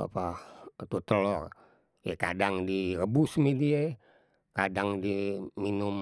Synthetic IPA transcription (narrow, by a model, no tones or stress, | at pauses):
a̰pat̪ut̪əlɔr | jeka̰daŋdirəbusmedie | kadaŋdiminʊm